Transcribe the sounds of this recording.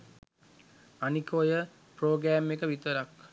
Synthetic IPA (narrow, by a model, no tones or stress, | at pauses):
anikojə | proːɡɾæːmːekəʋit̪əɾak